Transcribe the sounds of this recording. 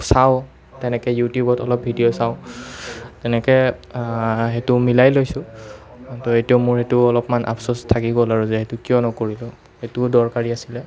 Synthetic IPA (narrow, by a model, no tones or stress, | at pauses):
saʊ | tɛnɛkɛjutjubɔtɔlɔp̚bʱidijosaʊ | tɛnɛkɛ | ɦetʊmilajlojsʊ̃ | tɔetijɔʊmʊɹhetʊɔlɔpmanʔa̰psɔstʰakiɡɔlaɹuzɛhetukijɔnɔkoɹilʊ̃ | hetʊdɔɹkaɹiasilɛ